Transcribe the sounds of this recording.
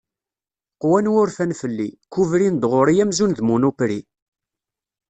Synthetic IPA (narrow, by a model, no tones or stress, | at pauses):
qwænwʊɾfænfəlːikuvɾind̪ʁʊɾijæmzunðmunupɾi